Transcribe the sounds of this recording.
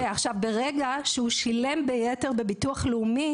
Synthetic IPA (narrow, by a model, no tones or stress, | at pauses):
eaχʃavbe̞ʁe̞ɡaʃehuʃilembejete̞ʁbe̞bituaχleumi